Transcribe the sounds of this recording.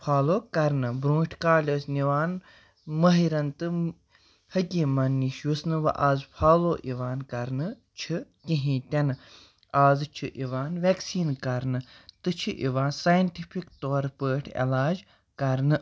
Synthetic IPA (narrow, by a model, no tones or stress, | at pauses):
pʰaːloːkɐɾnɨbɾũːʈʲʰkaːlʲoːsniʋaːn | mɐɦiɾɐnt̪ɨ | hɐkʲiːmɐnːiʃjusnɨʋɐ̰ʔaːzpʰaːloːʔiʋaːnkɐɾnɨ | t͡ʃʰɨkiɦĩːt̪ʲɛnɨ | aːzt͡ʃʰiʔiʋaːnʋʲeksiːnkɐɾnɨt̪ɨt͡ʃʰiʔḭʋaːnsaːjɐnʈipʰikt̪oːɾpəːʈʰḛlaːd͡ʒ | kɐɾnɨ